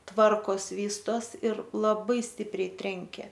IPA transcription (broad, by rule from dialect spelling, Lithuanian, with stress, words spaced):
ˈtʋɐrkoːs ˈʋʲiːstoːs ɪr lˠɐˈbɐɪ ˈsʲtʲɪpʲrʲɛɪ ˈtʲrʲɛŋʲkʲeː